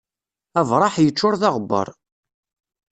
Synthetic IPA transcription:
ævɾˤɑħjət͡ʃːʊɾθɑʁbːə̰ɾˤ

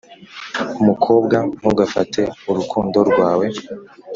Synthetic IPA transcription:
umukʰo̞ːbɡam̥uɡafa̰tʰe̞uɾukʰuːndo̞ɾɡwaːwe̞

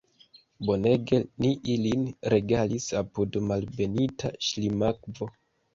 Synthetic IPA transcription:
bo̞ne̞ɡe̞niʔilinɾe̞ɡalisapudmalbe̞nitʰa̰ʃlimakvo̞

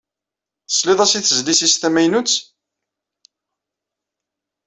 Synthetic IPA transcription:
θə̥slɪðˤæsiθəzlisist̪æmæjnut͡sː

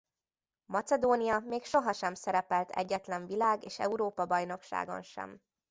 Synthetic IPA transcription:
mɒt̪sɛd̪oːnijɒmeːkʃo̞ɦɒʃɛmsɛɾɛpɛlt̪ʰɛ̰ɟːɛt̪lɛɱvilaːɡeːʃɛ̰uɾoːpɒbɒjn̪o̞kʃa̰ːɡo̞̰nʃɛ̰m

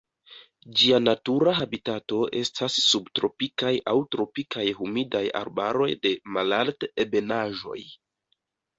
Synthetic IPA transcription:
d͡ʒianatuɾaɦabitato̞ʔe̞stʰasːubtɾo̞pikajʔawtɾo̞pikʰajhumidaja̰ɾba̰ɾo̞jde̞malaltebe̞naʒo̞̰j

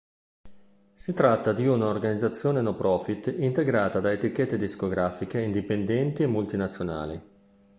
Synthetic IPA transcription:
sit̪ɾat̪ːad̪iunaorɡanid̪zat̪sːjoːnenopɾɔːfit̪ːint̪eɡɾaːt̪ad̪aet̪ikːet̪ːed̪iskoɡɾaːfik̟eind̪ipend̪ɛnt̪iemːult̪inat̪sːjona̰ːli

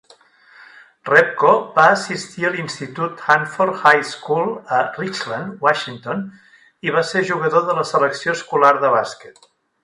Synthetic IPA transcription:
rɛp̚kobaəsist̪iəlinst̪it̪ut̪xanfoɾxajskulˠərit͡ʃlənd̪waʃiŋt̪on | iβ̞aseʒuɣ̞əðoðələsələksioskulaɾðəβaskɛ̥t̪

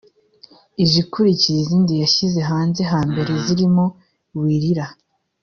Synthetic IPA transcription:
iʒikuɾiciɾiziːndijaʃize̞ɦaːnze̞ɦaːmbe̞ɾe̞ziɾimo̞ | wiːɾiɾa

